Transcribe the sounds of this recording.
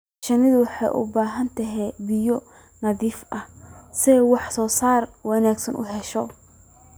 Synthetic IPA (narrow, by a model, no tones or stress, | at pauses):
ʃɐnɪðʊwɑħɑ̰jʔʊ̰baːɦɐnt̪ʰɐɦɛbɪjɔ | nɐðiːfʔɐhsɛwɑħsɔːsaːrwɐnaːɡsɐnʔʊ̰ɦɛʃɔ